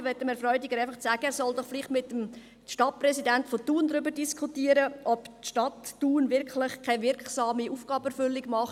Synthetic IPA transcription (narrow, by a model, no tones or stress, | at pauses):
ʋɛtːəmɛɾfɾɔʏdɪɡəɾaɪfɑχt͡sæːɡ̥əɛːɾsɔldɔχfliχtmɪtːəm | ʃtɑt̚prɛsidɛntfotuːndɾʏbəɾdiskχutiːəɾəʔɔptʃtɑtːuːnvɪɾkʰlɪχkʰavɪɾksɑːmiʔuːfɡ̥ɑːbɛɾfʏlːiɡ̥mɑχ